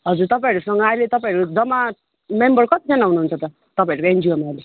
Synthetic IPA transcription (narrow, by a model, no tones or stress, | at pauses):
ɦʌd͡zuɾt̪ʌpãĩʌɾusʌŋɡʌajlet̪ʌpãĩɾukod͡zʌma | membʌrkʌt̪id͡zʌnaɦunuɦunt͡sʰʌt̪ʌ | t̪ʌpaĩʌɾukoend͡ʒiomaale